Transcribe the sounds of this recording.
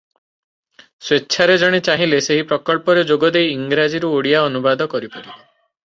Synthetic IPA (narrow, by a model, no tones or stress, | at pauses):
swetːʃʰaɾed͡ʒɔɽ̃et͡ʃaɦĩleseɦipɾɔkɔɭpɔɾed͡ʒoɡɔd̪ejiŋɡɾad͡ʒiɾuoɽijaɔnubad̪ɔkɔɾipɔɾi